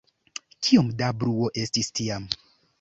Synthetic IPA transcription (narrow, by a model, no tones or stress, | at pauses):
kʰiomdabɾuo̞ʔe̞stistiam